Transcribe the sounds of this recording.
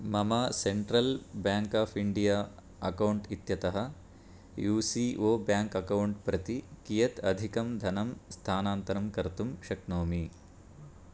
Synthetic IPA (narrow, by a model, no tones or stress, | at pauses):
mɐmɐseɳʈɾɐlbjaːŋkaːpʰiɳɖijaː | ɐkɐwɳʈit̪jɐt̪ɐɦɐ | juːsiʔoːbjaːŋkɐkɐwɳʈpɾɐt̪ikijɐt̪ɐd̪ʱikɐmd̪ʱɐnɐmst̪ʰaːnaːnt̪ɐɾɐmkɐɾt̪umʃɐknoːmi